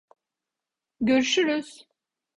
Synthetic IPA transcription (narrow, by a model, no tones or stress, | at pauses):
ɟøɾyʃyɾyz̥